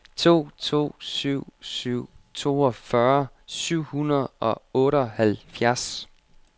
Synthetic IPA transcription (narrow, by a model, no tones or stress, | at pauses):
t͡sʰo̝̰ːt͡sʰo̝̰ːsyʊ̰syʊ̰t͡sʰo̝ːɒfɶɐ | syʊ̰hunɐð̩ˠɒ̽ɔ̽ːɾəɒ̽hælfjæɐs